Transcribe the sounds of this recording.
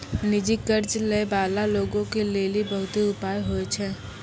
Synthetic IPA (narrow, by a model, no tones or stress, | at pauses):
nɪd͡ʒɪkːəɾt͡ʃlebaːlaloːɡõkeleːlibɐɦʊt̪eʊpaːjɦoet͡ʃʰɛː